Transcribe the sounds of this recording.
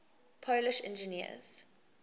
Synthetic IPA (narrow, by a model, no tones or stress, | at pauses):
pʰolɪʃɛ̰̃nd͡ʒəniə̰z̥